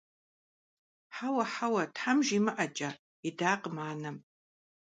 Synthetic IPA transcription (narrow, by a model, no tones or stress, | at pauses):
ħawɐħawɐtħamʒimɨʔɐt͡ʃʼɐ | idaːqʼmaːnɐm